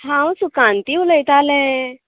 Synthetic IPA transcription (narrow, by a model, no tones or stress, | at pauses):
ãwsukãnt̪iuləjt̪aːlɛ̃